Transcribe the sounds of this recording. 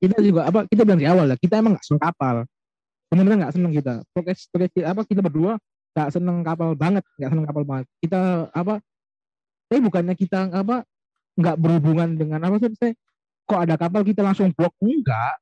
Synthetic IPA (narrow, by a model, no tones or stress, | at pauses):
kit̪̬ad͡ʒuɡaap̬akit̪̬abilanɾiawalːakit̪aemaŋɡa̰ʔsənəŋkapal | dəmamənaŋɡaʔsənəŋkit̪̬a̰pɾokɛstəɾɛsiap̬akit̪̬abərdua | ŋɡaʔsənəŋkapalbaŋət̪̚ŋɡaʔsənəŋkapalbaŋət̪̚kit̪̬aːp̬a | t̪aibukanɲakit̪aap̬a | ŋɡaʔbərhubuŋandəŋanapas̬abisaj | kaadakap̬alkit̪̬alaŋsʊŋblɔk̚əŋɡaʔ